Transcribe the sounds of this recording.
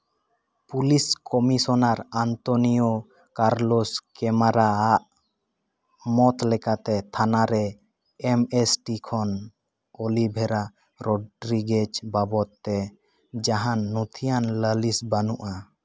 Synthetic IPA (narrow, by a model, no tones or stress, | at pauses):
puliskɔmisɔnaɾant̪ɔnijɔ | kaɾlɔskɛmaɾaaʔ | mɔt̪lɛkat̪ɛt̪ʰanaɾɛ | ɛmɛsʈikʰɔn | olibʱɛɾa | ɾɔɖɾiɡed͡ʒbabɔt̪ːɛ | d͡ʒaɦanːut̪ʰijanləlisbanuʔa